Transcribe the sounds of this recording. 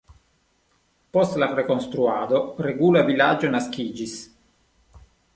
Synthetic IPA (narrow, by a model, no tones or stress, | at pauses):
post̪lapɾekonst̪ɾuaːd̪oɾeɡuːlavilad͡ʒonaskiːd͡ʒis